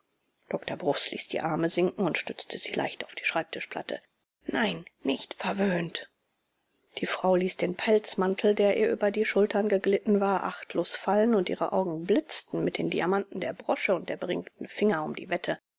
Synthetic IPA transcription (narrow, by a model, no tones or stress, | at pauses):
d̥ɔktɐbʁʊslḭːsd̥ḭːʔaɐməzɪŋkŋ̩ʊntʃtʏt͡stʰəz̥iːla̰ɪçtaʊfd̥i̥ːʃʁ̥aɪp̚tʰɪʃpl̥a̰tʰə̰ | naɪnːɪçtfɛɐvøːnt | d̥iːfʁ̥aʊliːsd̥eːnpʰɛlt͡smantʰl̩deːɐʔiːɐʔyːbɐdiːʃʊltʰɐnɡəɡlɪtn̩vaːɐʔaχtʰloːsfalənʊntʔḭːʁə̰ʔa̰ʊɡŋ̩blɪt͡stn̩mɪt̚d̥eːndiamanʔn̩deːɐbʁɔʃəʊnt̚d̥eːɐbəʁɪ̰ŋktn̩fɪŋɐʊmdḭːvɛtʰə